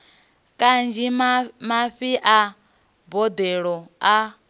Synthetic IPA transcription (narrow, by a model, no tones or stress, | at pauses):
kʼand͡ʒimaɸiʔa | bɔd̪ɛɺɔa